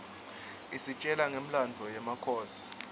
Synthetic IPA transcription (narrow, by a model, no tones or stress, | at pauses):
isit͡ʃʼɛlaŋem̩landʱɔjɛmakʰɔːsi̥